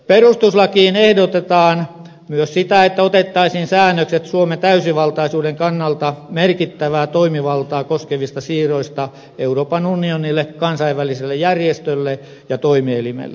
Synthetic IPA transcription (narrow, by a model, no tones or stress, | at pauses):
perust̪uslɑkiːnehdot̪et̪ɑːn | myøssit̪æet̪ːæot̪et̪ːɑisiːnsæːnːøkset̪suomet̪æysiʋɑlt̪ɑisuːdeŋkɑnːɑlt̪ɑmerkit̪ːæʋæːt̪oimiʋɑlt̪ɑːkoskeʋist̪ɑsiːroist̪ɑ | euroːpɑnunionilːekɑnsɑiʋʋæliselːejjærjest̪ølːe | jɑt̪oimielimḛlːḛ